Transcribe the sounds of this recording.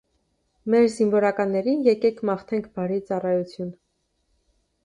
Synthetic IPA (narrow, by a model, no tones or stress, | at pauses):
mɛɾziɱvɔɾɑkɑnːɛɾinjɛkɛkʰmɑχt̪ʰɛŋkʰbɑɾit͡sɑrɑjut͡sʰjun